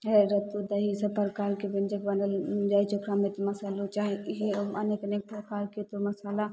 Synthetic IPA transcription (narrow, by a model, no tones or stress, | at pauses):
eɾɐt̪ud̪ɐɦisɐpəɾkaːɾkibend͡ʒəkbɐnəld͡ʒaːit͡ʃʊkɾamet̪omɐsaːlot͡ʃaːɦɐneːkɐneːk̚pɾɐkaːɾket̪omɐsaːla